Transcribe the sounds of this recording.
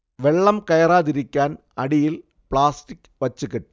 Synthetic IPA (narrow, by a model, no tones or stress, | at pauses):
ʋɛɭːɐmkɐjɐɾaːðɪɾɯkʲːaːn | ɐɽɪjɪl | pɭaːsʈɪk | ʋɐt͡ʃːɯkːɛʈː